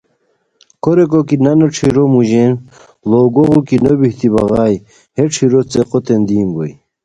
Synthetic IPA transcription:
koɾek̬okinɐnoʈ͡ʂʰiɾomuʑen | loɡoɣukinobiht̪ibɐɣɑːj | heʈ͡ʂʰiɾot͡seqot̪end̪iːmboj

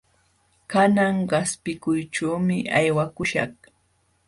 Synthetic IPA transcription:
kanaŋɢɑspɪkʊjʈ͡ʂaːmɪajwakʊʃɑ̰χ

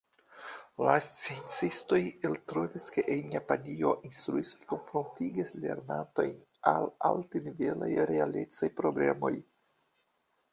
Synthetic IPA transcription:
last͡sient͡sisto̞jeltɾo̞viske̞ʔenjapanio̞ʔinst̪ɾuisoko̞nfɾontiɡisle̞̰ɾnato̞̰jn | alaltenive̞la̰jɾealet͡sajpɾo̞ble̞̰mo̞̰j

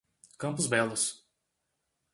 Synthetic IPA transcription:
kɐ̃mpʊzbɛlʊs

